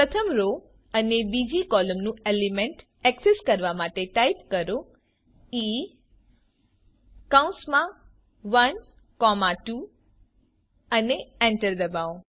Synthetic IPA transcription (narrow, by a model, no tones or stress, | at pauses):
pɾət̪ʰəmɾo | ənebid͡ʒikɔləmnũelimẽɳʈ | ɛkseskəɾʋamaʈeʈaipkəɾo | i | kaũnsmã | ʋən | kɔmaʈu | əneɛɳʈəɾd̪əbao